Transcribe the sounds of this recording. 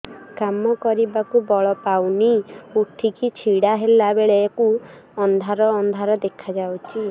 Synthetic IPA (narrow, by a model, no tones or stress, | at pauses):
kamɔkɔɾibakubɔɭɔpawniuʈʰikit͡ʃʰiɽaɦelabeɭeaku | ɔnd̪ʱaɾɔːnd̪ʱaɾɔd̪ekʰad͡ʒawt͡ʃʰi